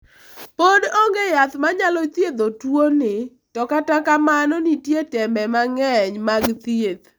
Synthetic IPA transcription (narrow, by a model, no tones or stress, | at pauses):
podoŋɡejat̪maɲalɔt̪jed̪otwonɪ | tɔkatakamanɔnitjetɛmbɛmaŋɛɲmaɡt̪ied̪